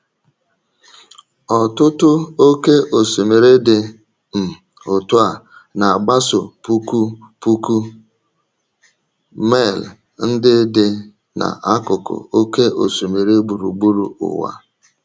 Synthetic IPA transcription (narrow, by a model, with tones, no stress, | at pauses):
ɔ˨tʊ˦tʊ˦o˦ke˦ʔo˨so˨me˨ɾe˦dɪ˨ | m̩˨ | o˨tʊ˦a˨na˨a˨ɡ͡ba˦sʊ˨pu˦ku˦ | pu˦ku˦ | me˦˨l | n̩˦dɪ˦dɪ˦ | na̰˨ʔa˦kʊ˨kʊ̰˨o˦ke˦ʔo̰˨so˨me˨ɾe˦ɡ͡bu˨ɾu˨ɡ͡bu˦ɾṵ˨ʊ̰˨wa̰˦